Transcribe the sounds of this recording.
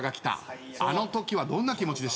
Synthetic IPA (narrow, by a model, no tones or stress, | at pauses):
ɡakʲi̥t̪a̰ | ano̞t̪o̞kʲiβad̪õ̞nːakʲimo̞t͡ɕid̪e̞s